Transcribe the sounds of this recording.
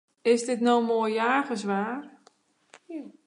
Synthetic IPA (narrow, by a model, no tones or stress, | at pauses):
ɪsdɪtnowmoːjjaːɣəsʋaːr